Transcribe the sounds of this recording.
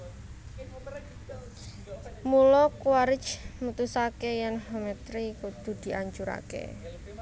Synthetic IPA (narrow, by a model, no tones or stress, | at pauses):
mulɔkwaɾɪ̥t͡ʃmut̪usakejɛnhomɛt̪ɾikud̪̥ṳd̪̥i̤ʔaɲt͡ʃuɾa̰kḛ